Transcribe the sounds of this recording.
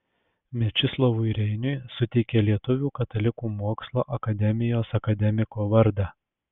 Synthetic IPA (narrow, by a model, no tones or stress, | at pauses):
mʲɛt͡ʃʲɪslˠɐʋʊɾʲɛɪnʲʊsʊt̪ʲɛɪkʲeːlʲiɛt̪ʊʋʲuːkɐt̪ɐlʲɪkuːmoːkslˠo̰ːʔɐkɐd̪ʲɛmʲɪjoːsɐkɐd̪ʲɛmʲɪkoːʋɐɾd̪ɑː